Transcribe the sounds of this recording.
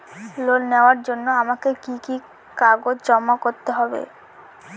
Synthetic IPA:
lonneoaɾd͡ʑonːoamakekiki | kaɡod͡ʑd͡ʑɔmːakoɾt̪eɦɔbḛ

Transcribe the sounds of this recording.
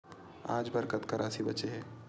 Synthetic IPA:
a̰ːd͡ʒbəɾkət̪kɐɾʔaːsibɐt͡ʃeɦɛ̃ː

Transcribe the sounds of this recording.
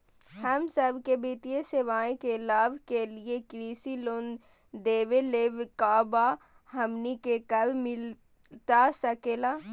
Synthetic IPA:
hɐmsəbkebiːt̪ijeseʋaːẽkelaːʋkeliekɾiːsiloːn | d̪eːʋeleːʋkaːba | hɐmnikekɐbmɪl | t̪asɐkeːlaː

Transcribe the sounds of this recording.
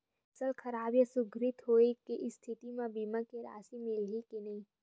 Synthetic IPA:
ɐsəlkʰɐɾaːbjəsʊɡʱɾɪt̪ɦoːekeʔɪst̪ʰɪt̪imãbiːmakeɾa̰ːsimɪlɦikinɐɦĩː

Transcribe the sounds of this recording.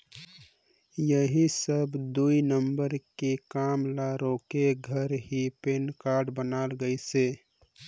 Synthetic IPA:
jəɦisəbʱd̪uinəmbəɾkekaːmlaɾoːkeɡʱəɾɦipenkaːɾɖbənaːlɡəiseː

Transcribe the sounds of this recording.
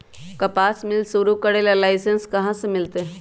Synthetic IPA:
kɐpaːsmɪlsuɾukɐɽelalaːɪsenskɐɦãsẽmɪlt̪e

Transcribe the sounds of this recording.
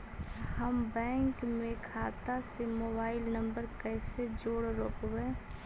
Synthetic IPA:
həmbɛ̃ːŋkmẽkʰaːt̪asemoːbaːɪlnə̃mbəɾkɛːsed͡ʒoːɽɾoːkwẽː

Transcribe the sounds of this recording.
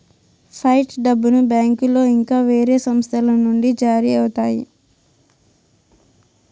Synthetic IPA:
pʰɐjʈɖɐbːunubaːŋkulo̞ːiŋkaːʋe̞ːɾe̞ːsɐmst̪ʰɐlɐnːuɳɖid͡ʒaːɾiɐwut̪aːjḭ

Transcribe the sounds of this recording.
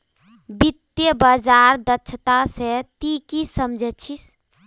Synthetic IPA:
bit̪jəbəd͡ʒaɾd̪ətːt͡ʃʰət̪aset̪ikisəmd͡ʒʱɛt͡ʃʰis

